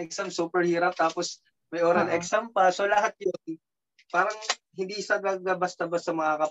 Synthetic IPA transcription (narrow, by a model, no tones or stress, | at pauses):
ɛksamsuːpɛɹhiːɾɐp̚t̪aːpos | mɐjʔoːɾɐnɛksampɐso̞lɐɦat̪̚jon | paːɾɐŋɦɪnd̪iːʔɪsaɡaɡɐbɐst̪ɐbɐsɐmɐŋakɐ